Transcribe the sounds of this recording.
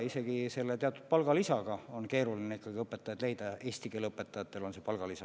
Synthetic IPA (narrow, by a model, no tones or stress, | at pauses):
ise̞ɡ̥ise̞lːe̞t̪eɑt̪ːˑud̪̥̚pɑlɡ̥ɑlisɑɡ̥ɑo̞nke̞ːɾulineikːˑɑɡ̥iɤpːˑet̪ːˑɑjɑd̪le̞jd̪ɑe̞ːsʲt̪ikeːlɤpːet̪ːˑɑjɑt̪ːˑe̞lo̞nse̞pɑlɡ̥ɑlisɑ